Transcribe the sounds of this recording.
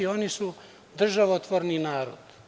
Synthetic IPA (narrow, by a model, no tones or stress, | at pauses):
io̞nisu | d̪r̩ʒaʋot̪ʋoɾninaːɾo̰d̪̥